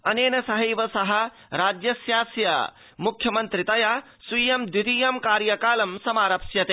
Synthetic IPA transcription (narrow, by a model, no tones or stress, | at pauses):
ɐneːnɐsɐɦɐʋɐsɐɦɐ̆ | ɾaːd͡ʒjɐsjaːsjɐ̰ | mukʰjɐmɐ̃nt̪ɾit̪ɐja | sijɐmd̪it̪ijɐmkaːɾjɐkaːlɐmsɐmaːɾɐpʃjɐt̪e